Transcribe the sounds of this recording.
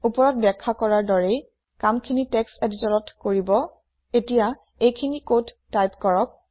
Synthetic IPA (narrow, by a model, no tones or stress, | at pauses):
upɔɹɔt̚bɛkʰːakɔɹaɹdɔɹej | kamkʰinitɛkseditɔɹɔtkoɹibɔ | etija | ejkʰinikod | tːajpkɔɹɔk̚